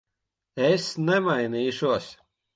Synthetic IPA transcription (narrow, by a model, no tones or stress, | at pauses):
esnɛmajniːʃuɔs